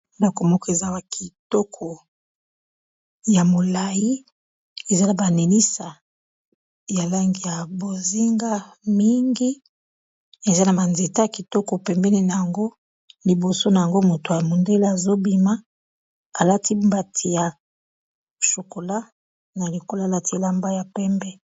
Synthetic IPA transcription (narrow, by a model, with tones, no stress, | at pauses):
nda˨ko˨mɔ˦kɔ˨e˨za˦wa˨kʰi˨tɔ˦kʰɔ˨ | ja˨mo˨la˨ji˦ | e˨za˦na˨ba˨ne˨ni˦sa˨ | ja˨la˦ŋɡi˨ja˨bo˨zi˦ŋɡa˦mi˦ŋɡi˦ | e˨za˦na˨ba˨nze˨ta˦a˨ki˨tɔ˦ko˨pɛ˨mbɛ˦ni˦na˨ja˨ŋɡo˦ | li˨bo˨so˦na˨ja˨ŋɡo˦mo˨to˨a˨mo˨nde˦la˦a˨zo˦bi˨ma˦ | a˨la˦tʰi˦mba˨tʰi˨ja˨ | ʃo˨ko˨la˦ | na˨li˨ko˦la˦˨la˦ti˨˦e˨la˦mba˦ja˨pɛ˦mbɛ˦